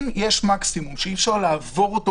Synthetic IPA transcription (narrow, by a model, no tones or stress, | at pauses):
mjeʃmaksimumʃeifʃaʁlaːvo̞ʁot̪o